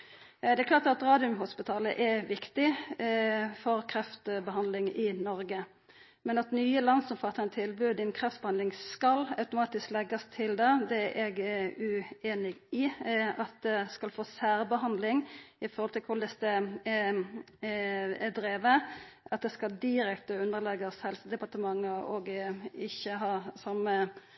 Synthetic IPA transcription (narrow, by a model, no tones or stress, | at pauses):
d̪ɛklɑːtɑt̪ɾɑːd̪ɪʊmhʊspɪt̪ʰɑːlə̰ʔɛʋɪkt̪ɪ | fɔɾkʰɾɛft̪bəɦɑnd̪lɪŋɪnɔɾɡə | mɛnɑt̪nyːəlɑnsɔmfɑt̪ʰːəɛnət̪ʰɪlbʉːd̪ɪɛnkʰʁɛft̪bəhɑnd̪lɪŋskɑlɑʉt̪ʊmɑːt̪ɪsklɛɡɑst̪ʰɪld̪ɛd̪ɛʔɛɡʉeːnɪɡɪɑt̪̚d̪ɛskɑlfoːsæːɾbəɦɑnd̪lɪŋɪfɔɾhɔlt̪ʰɪlkʰʊɾd̪ɛst̪ə | ɛd̪ɾeːʋəɑt̪̚d̪ɛskɑld̪ɪɾɛkt̪əʉnəɾlɛɡɑshɛlsəd̪ɛpɑʁʈ̪əmɑŋːəɔ̰ɡɪçːəɦɑːsɑmə